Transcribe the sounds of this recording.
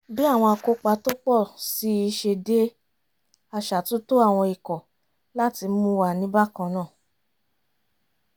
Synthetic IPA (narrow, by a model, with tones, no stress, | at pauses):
bi˦a˦˨w̃ɔ̃˧a˧ko˧k͡pa˧˦to˦k͡pɔ˦˨si˨˦i˧ʃe˧de˦ | a˧ʃa˨tũ˦to˦a˦˨w̃ɔ̃˧i˨kɔ˨ | la˦ti˧˦mũ˦wa˨nĩ˦ba˦kɔ̃˧nã˦˨